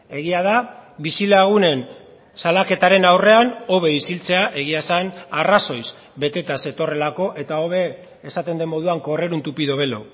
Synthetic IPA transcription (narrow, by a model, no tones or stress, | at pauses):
e̞ɣiað̞abisilaɣ̞une̞n | salake̞t̪aɾe̞nawre̞ano̞βe̞isilt͡se̞aʔe̞ɣ̞iasanaraso̞js | be̞t̪e̞t̪ase̞t̪o̞re̞lako̞ʔe̞t̪ao̞βe̞ː | sat̪e̞nd̪e̞mo̞ð̞uaŋko̞re̞ɾunt̪upiðo̞β̞e̞lo